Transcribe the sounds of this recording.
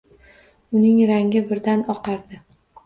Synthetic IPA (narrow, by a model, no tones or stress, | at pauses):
ʊnɪŋɾaŋɪbɪɾd̪anɒqɑɾd̪ɪ